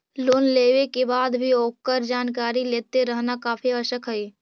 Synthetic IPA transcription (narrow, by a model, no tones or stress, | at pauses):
loːnleːʋekebaːd̪bʱioːkːəɾd͡ʒaːnkaːɾileːt̪eɾəɦnakaːfʰiəʃəkɦəiː